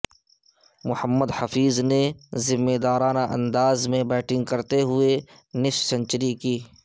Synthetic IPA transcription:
mʊhəmːəd̪hɐfiːznezɪmːeːd̪aːɾaːnaʔɐ̰̃nd̪aːzmẽbɛːʈɪ̃ŋɡ̚kɐɾt̪eɦʊe | nɪʃsɐ̃ɲt͡ʃɾikiː

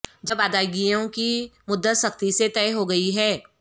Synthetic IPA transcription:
d͡ʒɐbaːd̪aːɪɡijõkimʊd̪ːət̪sɐkt̪iset̪ɛːɦoɡɐiɦɛː

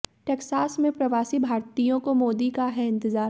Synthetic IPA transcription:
ʈeːksaːsmẽpɾɐʋaːsibʱaːɾt̪ijõkomoːd̪ikaɦɛɪ̃nt̪ɪzaː

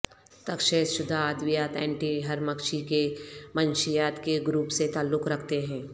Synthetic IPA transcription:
t̪ɐkʃeːsʃʊd̪ʱaːd̪ʋɪjaːt̪ɛ̰̃ːɳʈiɦɐɾməkʃikemənʃijaːt̪keɡɾuːpset̪aːlːʊkɾɐkʰt̪eɦɛ̃ː

